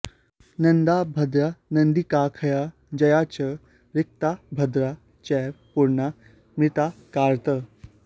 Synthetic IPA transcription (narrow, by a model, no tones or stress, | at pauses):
nənd̪abʱəd̪ɾanənd̪ikakʰəja | d͡ʑɐjat͡ɕə | ɾik̚t̪abʱəd̪ɾa | t͡ɕɛ | puɾɳa | mit̪akaɾt̪ə